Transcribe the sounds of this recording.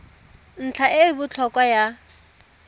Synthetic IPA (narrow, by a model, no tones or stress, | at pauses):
n̩t͡ɬʰaʔɪbʊt͡ɬʰɔkʼwaja